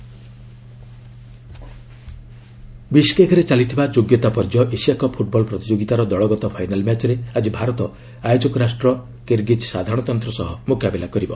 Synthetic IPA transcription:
biskekʰɔɾet͡ʃalit̪ʰibad͡ʒoɡjɔt̪apɔɾd͡ʒɔʔesijakɔpʰuʈ̚bɔlpɾɔt̪id͡ʒoɡit̪aɾɔd̪ɔɭɔɡɔt̪ɔpʰajnalmjat͡ʃɔɾead͡ʒibʱaɾɔt̪ɔ | ajod͡ʒɔkɔɾasʈɾɔ | keɾɡit͡ʃsad̪ʱaɾɔɽ̃ɔt̪ɔnt̪ɾɔsɔɦɔmukabelakɔɾibɔ̰

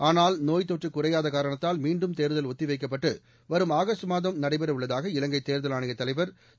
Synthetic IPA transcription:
aːnaːlnoːjt̪ɔʈrɯkːʊrɐjaːðɐkaːɾɐɳɐt̪ːaːlmiːɳɖɯmt̪eːɾɯðɐlɔt̪ːɪʋɐɪkːɐp̬ːɐʈːɯ | ʋɐɾɯmaːɣɐsʈmaːðɐmnɐɽɐɪbɐɾɐɯɭːɐðaːɣɐɪlɐŋɡɐɪt̪ːeːɾðɐlaːɳɪɣɐt̪ːɐlɐɪʋɐɾ

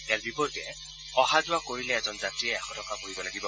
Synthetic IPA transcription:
ɛaɹbipɔɹtɛ | ɔɦazʊakoɹilɛɛzɔnzatɹiɛɛkʰɔtɔkapoɹibɔnaɡibɔ

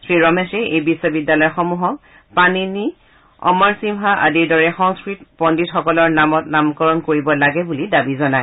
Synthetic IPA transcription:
sɹiɹɔmɛsɛejbisːɔbidjalɔjxɔmuɦɔk̚ | panini | ɔ̰mɔɹsimɦaʔadiɹdɔɹɛxɔŋskɹit̚pɔnditxɔkɔlɔɹnamɔt̚namkɔɹɔnkoɹibɔlaɡɛbulidabizɔnaj

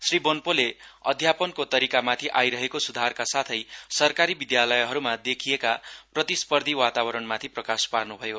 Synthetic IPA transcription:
sribonpoleʌ̰d̪ʱjapʌnkot̪ʌɾikamat̪ʰiʔajɾʌɦekosud̪ʱarkasat̪ʰʌjsʌrkaɾibid̪jalʌjɦʌɾumad̪ekʰijekaprʌt̪ispʌrd̪ʱiwat̪awʌɾʌnmat̪ʰiprʌkasparnubʱʌjo

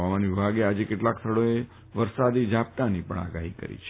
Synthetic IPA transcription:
amanʋibʱaɡead͡ʒekeʈlakst̪ʰəɽoe | ʋəɾsad̪id͡ʒap̚t̪anipəɳa̰ɡaɦikə̰ɾḭt͡ʃʰe

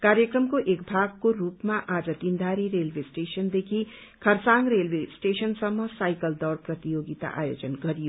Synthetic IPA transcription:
kaɾjʌkrʌmkoʔekbʱaɡkorupmaʔad͡zʌd̪ind̪ʱaɾiɾelbʱesʈesʌnd̪ekʰi | kʰʌrsaŋɡrelbʱesʈesʌnsʌmːʌsajkʌld̪ʌrprʌt̪ijoɡit̪a̰ʔa̰jod͡zʌnɡʌɾijo

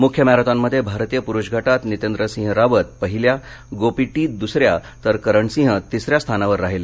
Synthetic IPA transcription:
mukʰjəmaɾət̪amːəd̪ʱːjebʱaɾt̪ijəpuɾuɕɡʱaʈat̪nit̪end̪ɾəsĩɦɾaʋət̪̚pəɦilja | ɡopiʈiːt̪̚d̪usɾjat̪əɾkəɾəɳsĩɦət̪isɾjast̪ʰanaʋəɾːaɦele

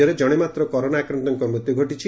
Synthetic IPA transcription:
ɔɾed͡ʒɔɽ̃emat̪ɾɔkɔɾonaakɾɔnt̪ɔŋkɔmɾut̪juɡʱoʈit͡ʃʰi

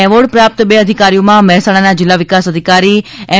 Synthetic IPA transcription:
ɛʋoɽpɾap̚t̪əbeəd̪ʱikaɾijomãmɛɦsaɽ̃anad͡ʒɪlːaʋɪkasəd̪ʱikaɾiɛ

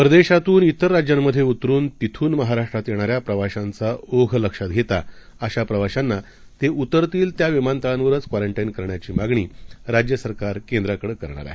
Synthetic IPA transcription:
pɾəd̪eɕat̪uːnit̪əɾːad͡ʑjamːəd̪ʱːjeut̪ɾuːnt̪it̪ʰuːnməɦaɾaʂʈɾat̪jeɽ̃aɾjapɾəʋaɕant͡saoɡʱələkʂat̪̚ɡʱet̪a | əɕapɾəʋaɕanːa | t̪eʔut̪ːəɾt̪iːlt̪jaʋimant̪aanʋəɾət͡skʋaɾəɳʈainkəɾɳjat͡ɕiːmaɡɳiːɾad͡ʑjəsəɾkaɾkend̪ɾakəɽəkəɾɳ̃a̰ɾa̰ɦe

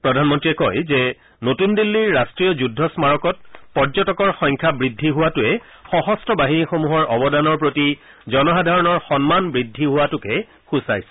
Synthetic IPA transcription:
pɹɔdʱanmɔntɹiɛkɔjzɛ | notundilːiɹːastɹijɔzudʱːɔsmaɹɔkɔt̚pɔɹzɔtɔkɔɹxɔŋkʰabɹidʱːiɦʊwatʊɛ | xɔɦɔstʰɔbaɦinixomuɦɔɹʔɔbɔdanɔɹpɹoti | zɔnɔxadʱaɹɔnɔɹxɔnmanbɹidʱːiɦʊwatʊkɛ | xusa̰jsɛ̥

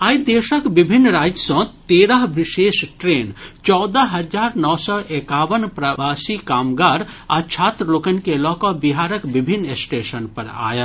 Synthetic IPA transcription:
aːid̪eːʃəkbɪbʱɪnːɾaːd͡ʒsɔ̃t̪eːɾəɦbɪʃeːʃʈɾeːnt͡ʃɔːd̪əɦɐd͡ʒaːɾnɔːsɔːʔekaːʋənpɾəʋaːsikaːmɡaːɾa̰t͡ʃʰaːt̪ɾəloːkənkelɔːkɔbiɦaːɾəkbɪbʱɪnːesʈeːʃənpɐ̰ɾa̰ːjə

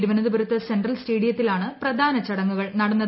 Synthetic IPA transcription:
ɾuʋɐnɐðɨbɐɾut̪ːɐsenɖrɐlsʈeːɽijɐt̪ːilaːɳɨprɐd̪ʱaːnɐt͡ɕɐɽɐŋːuɣɐɭnɐɽɐnːɐ

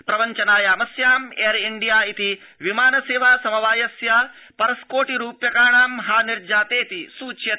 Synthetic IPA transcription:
pɾɐʋɐɲt͡ʃɐnaːjaːmɐsjaːmeɐɾiɳɖijaːit̪i | ʋimaːnɐseːʋaːsɐmɐʋaːjɐsja | pɐɾɐskoːʈiɾuːpjɐkaːɳaːmɦaːniɾd͡ʒaːt̪eːt̪isuːt͡ʃjɐ

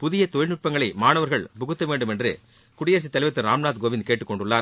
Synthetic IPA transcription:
pʊðɪjɐt̪ɔjɪlnʊʈ̚pɐŋɡɐɭɐɪmaːnɐʋɐɾɣɐɭbʊɣɯt̪ːɐʋeːɳɖɯmɛndrɯ̰ | kʊɽɪjɐːɾs̬it̪ːɐlɐɪʋɐt̪ːɯɾaːmnaːt̪ɡoːʋɪnd̪̚keːʈːɯkːɔɳɖɯɭːaːɾ

